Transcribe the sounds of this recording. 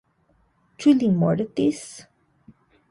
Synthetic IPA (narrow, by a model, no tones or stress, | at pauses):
t͡ʃulimɔɾt̪is